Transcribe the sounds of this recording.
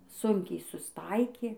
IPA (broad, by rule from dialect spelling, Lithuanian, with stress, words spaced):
ˈsʊŋʲkʲɛɪ sʊsˈtɐɪkʲeː